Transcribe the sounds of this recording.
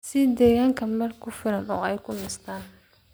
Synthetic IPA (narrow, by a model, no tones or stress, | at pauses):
sɪd̪ɛːɣaːŋkʰɐmɐrkʰʊfɪɾɐnɔːɛjkʰʊnɪst̪ʰaːn